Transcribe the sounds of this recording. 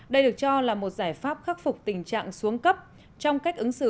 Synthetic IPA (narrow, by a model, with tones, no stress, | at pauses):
ɗə˧jɗɨ˨˩ək̚t͡ɕɔ˧laː˨˩mo˨˩t̚zaː˧˩jfaː˦˥p̚xaː˦˥k̚fʊ˨˩k͡p̚t̪ï˨˩ŋ̟t͡ɕa̰ː˧˨ŋsu˨˦əŋkə˦˥p̚ | t͡ɕɔ˧wŋ͡mka˦˥jk̟ʔɨ˨˦ŋsɨ̰˧˨